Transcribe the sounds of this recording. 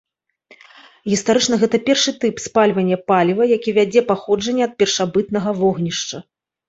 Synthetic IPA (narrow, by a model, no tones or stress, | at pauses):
ɣʲist̪aɾɨt͡ʂn̪ɐɣɛt̪ɐpʲɛrʂɨt̪ɨpspalʲvɐnʲːɛpalʲivɐjakʲivʲad͡zʲɛpaxɔd͡ʐɐnʲːɛɐt̪̚pʲɛrʂabɨt̪̚nɐɣɐvɔɣnʲiʂt͡ʂɐ